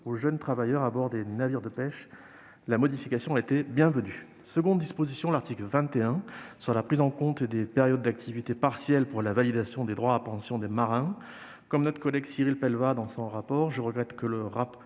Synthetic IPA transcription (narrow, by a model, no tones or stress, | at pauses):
oʒənt̪χavajœʁabɔʁd̪enaviʁd̪əpɛʃ | lamɔd̪ifikasjɔ̃aet̪ebjɛ̃vəny | səɡɔ̃d̪d̪ispozisjɔ̃laʁt̪iklvɛ̃t̪eɛ̃syʁlapχizɑ̃kɔ̃t̪ed̪epeʁjɔd̪̚ːak̚t̪ʰivit̪epaʁsjɛlpuʁlavalid̪asjɔ̃d̪ed̪ʁwaːpɑ̃sjɔ̃d̪emaʁɛ̃ | kɔmnɔt̪χə̥kɔlɛɡsiʁilpɛlvad̪ɑ̃sɔ̃ʁapɔʁʒəʁəɡʁɛt̪kələʁap